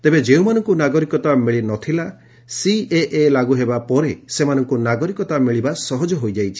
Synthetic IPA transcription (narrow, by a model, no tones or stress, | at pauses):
t̪ebed͡ʒeumanɔŋkunaɡɔɾikɔt̪amiɭinɔt̪ʰila | sieʔelaɡuɦebapɔɾesemanɔŋkunaɡɔɾikɔt̪amiɭibasɔɦɔd͡ʒɔɦojd͡ʒajt͡ʃʰi̥